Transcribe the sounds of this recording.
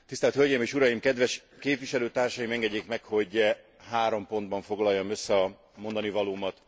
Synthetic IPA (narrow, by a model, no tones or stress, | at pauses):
t̪ist̪ɛlt̪hølɟeːmeːʃuɾɒjimkɛd̪ʋɛʃ | keːpʋiʃɛløːt̪aːrʃɒjimɛŋɡɛɟːeːkmɛkho̞ɟ | ɦaːɾo̞mpo̞nd̪̚bɒɱfo̞ɡlɒjːomøsːɛɒ | mo̞nd̪ɒnivɒloːmɒt̪